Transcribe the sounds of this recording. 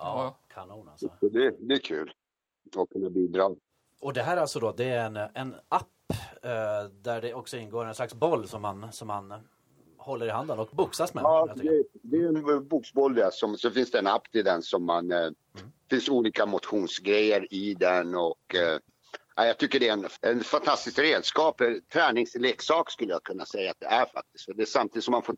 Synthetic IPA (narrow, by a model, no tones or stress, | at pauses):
ɑːkʰanuːna̰lsəɖɛd̪ɛːkʰʉːl | ɔkʰːɵnːabiːd̪ɾɑː | ɔd̪ɛɦæːɾalsɔd̪ɔd̪ɛæɾɛnɛnapː | d̪æɖɛɔksɔɪnːɡoːɾɛnslaksbɔlːsɔmːansɔmːan | hɔlːəɾɪɦand̪ənɔkbʊksasmɛɑːd̪ɛd̪ɛɛnbuːksbɔlːjasɔmsɔfɪnsd̪ɛɛnapːt̪ʰɪld̪ɛnsɔmːan | fɪnsuːliːkamʊt̪ɧuːnsɡɾɛjːəɾɪd̪ɛnɔkː | ʔæjɑɡt̪ʰʏkːəɖɛɛnɛnfant̪ʰast̪ɪskɾeːd̪skɑːpɛt̪ʰɾɛːnɪŋsleːksɑːkskɵlːəjakʰɵnːasɛjːat̪̚d̪ɛ̰æɾfa̰k̚t̪ɪ̥st̪fœɖɛsamt̪ʰiːd̪sɔmːanfoː